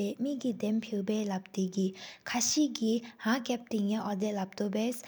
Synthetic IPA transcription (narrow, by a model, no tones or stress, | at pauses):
ɛːmiːʔkid̪ɛmpʰiʔpɛːlap̚t̪ekikʰaɕiːʔkiɦakap̚t̪iŋaʔɔd̪ɛʔlap̚t̪oʔpɛs